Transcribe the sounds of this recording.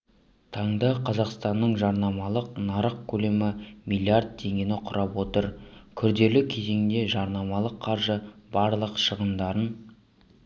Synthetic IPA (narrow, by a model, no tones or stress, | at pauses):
t̪ʰɑɴd̪əqʰɑzɑqst̪ɑnːəɴʒɑɾnɑmɑlˠəq̚nɑɾəq̚kʲʰɵle̞mɪmilʲˠiard̪̚t̪ʰe̞ŋɡʲe̞nɪqʰʊɾʔɑpwo̞t̪əɾkʲʰʏɾd̪e̞lɪkʲʰe̞ze̞ŋd̪e̞ʒɑɾnɑmɑlˠəqʰːɑɾʒəbɑɾlˠəqʃəʁənd̪ɑɾən